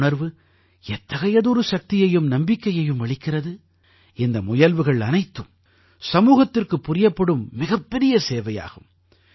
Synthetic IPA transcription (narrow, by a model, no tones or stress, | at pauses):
ɳɐɾʋɯ | ɛt̪ːɐɣɐjɐðɔɾɯʃɐk̚t̪ɪjɐjɯmnɐmbɪkːɐjɐjɯmʋɐɭɪkːɪrɐðɯ | ɛnd̪ɐmʊjɐlʋɯɣɐɭɐnɐɪt̪ːɯm | sɐmuːɣɐt̪ːɪrkɯpːʊrɪjɐpːɐɽɯmːɪɣɐpːɛɾɪjɐseːʋɐja̰ːɣɯm